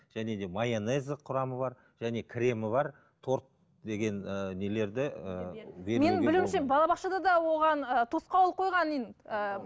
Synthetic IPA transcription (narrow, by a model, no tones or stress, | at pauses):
ʒ̥æne̞d̪e̞mɑjenezəqʰʊɾɑməbɑɾ | ʒ̥æne̞kʲʰɾe̞mɪbɑɾ | t̪ʰo̞ɾt̪̚ | d̪e̞ɡʲe̞nənele̞ɾd̪ɪəbeme̞nɪbɪluwɪmʃebɑlˠɑbɑχʃɑd̪ɑd̪ɑwo̞ʁɑnət̪ʰosqɑwlˠəqʰojʁɑnijnə